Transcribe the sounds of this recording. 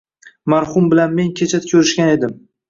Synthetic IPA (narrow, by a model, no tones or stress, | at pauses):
maɾhʊmbɪlanme̞ŋkʲʰet͡ʃʰat̪kʲʰɵɾɪʃkʲane̞d̪ɪm